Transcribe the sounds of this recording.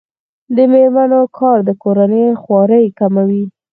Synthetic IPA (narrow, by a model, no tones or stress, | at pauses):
d̪əmeɾmanokʰɑɾd̪əkoɾanəjxwɑɾəjkamawi